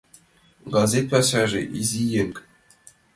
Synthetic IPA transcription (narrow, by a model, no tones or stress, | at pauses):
ɡɑzʲet̪̚pʲɑsɑʐḭʔizʲijeŋkʲ